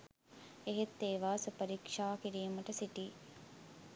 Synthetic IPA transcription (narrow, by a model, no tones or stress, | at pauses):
eɦet̪ːeːʋaːsəpɐɾikʂaːkiɾiːməʈəsiʈiː